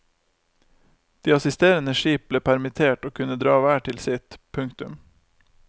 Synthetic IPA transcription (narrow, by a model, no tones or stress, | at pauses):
d̪̥iːɑsɪst̪eːɾənəʃiːp̚b̥leːpʰæɾmɪt̪ʰeːʈoːkʰʉnəd̪ɾɑːʋæːʈʰɪlsɪt̪pʰʉŋkt̪ʉm